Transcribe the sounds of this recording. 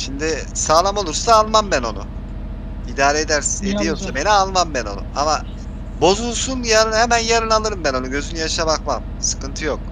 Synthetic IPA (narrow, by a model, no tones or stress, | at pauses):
ʃimd̪ɪ | saːlˠamo̞lˠuɾsaːlˠmambæno̞nṵ | id̪aːɾeed̪æɾsined̪ijo̞ɾsabe̞nialˠmambæno̞nṵama | bo̞zulˠsunjaɾɯnhemænjaɾɯnalˠɯɾɯmbæno̞nuɟø̞zynyjaʃabakmam | sɯ̥kɯnt̪ʰɯjo̞k̚